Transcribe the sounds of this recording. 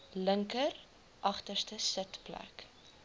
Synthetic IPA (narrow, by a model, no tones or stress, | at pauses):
ləŋkər | ʔɐχtərstəsətplæ̰k